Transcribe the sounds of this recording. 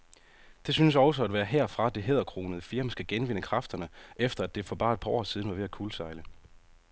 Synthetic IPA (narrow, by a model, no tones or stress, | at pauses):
d̥e̝synəs̬ɒ̽ʊsəæd̥ʋæːɐɦeɐ̰fʁɑ̈d̥e̝ɦeð̞ˠɐkʰʁo̝̰ːnəð̞̩ˠəfiɐməsɡ̥æɡ̥enʋe̝n̰əkʰʁɑ̈fd̥ɐnəʔefd̥ɐæd̥e̝fɒ̽b̥ɑ̈ːe̝d̥̚pʰɑ̈ʔɒ̰ːsið̞ˠn̩ʋɑ̈ʋe̝ækʰuːlsɑ̈ɪlə